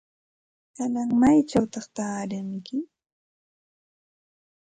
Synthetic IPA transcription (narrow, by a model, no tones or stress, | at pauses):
kanaŋmajt͡ʃawt̪ɑχt̪aːɾɪŋmɪkɪ